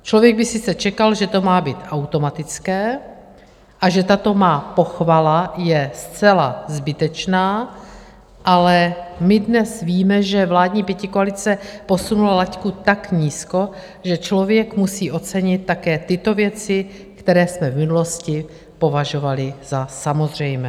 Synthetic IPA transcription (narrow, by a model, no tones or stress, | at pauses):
t͡ʃlo̞vjɛɡ̚bɪsɪt͡sɛt͡ʃɛkalʒɛt̪o̞maːbiːt̪ʔawt̪o̞mat̪ɪt͡skɛː | ʔaʒɛt̪at̪o̞maːpo̞xvalajɛst͡sɛlazbɪt̪ɛt͡ʃnaː | ʔalɛmɪdnɛsviːmɛʒɛvlaːdɲiːpjɛcɪkoalɪt͡sɛpo̞sunulalackut̪akɲiːsko̞ | ʒɛt͡ʃlo̞vjɛkmusiːʔo̞tt͡sɛɲɪt̪̚ːakɛːt̪ɪt̪o̞vjɛt͡sɪ | kt̪ɛɾɛːsmɛvmɪnulo̞scɪ | po̞vaʒo̞valɪz̥asamo̞zr̝ɛjmɛː